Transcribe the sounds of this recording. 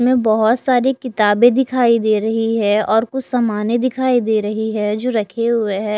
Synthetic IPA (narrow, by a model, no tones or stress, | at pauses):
mẽbɐɦʊt̪saːɾekɪt̪aːbẽd̪ɪkʰaːid̪eːɾɐɦiɦɛɔːɾkʊt͡ʃʰsɐmaːnẽd̪ɪkʰaːid̪eːɾɐɦiɦɛd͡ʒoːɾɐkʰeɦʊeɦɛː